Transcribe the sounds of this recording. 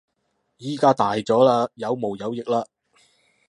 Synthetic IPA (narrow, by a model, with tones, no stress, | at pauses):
jiː˥kaː˥t̪aː˨jt͡sɔː˨˥laː˧jɐ˨˧wmo˨wjɐ˨˧wjɪ˨k̚laː˧